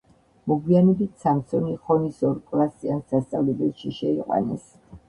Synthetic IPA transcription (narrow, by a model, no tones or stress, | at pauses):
mɔɡwianɛbit̪ʰsamsɔniχɔnisɔɾkʼlˠast̪ʼiand̪ast̪sʼavlɛbɛlˠʃiʃɛiqʼwa̰nɛ̰s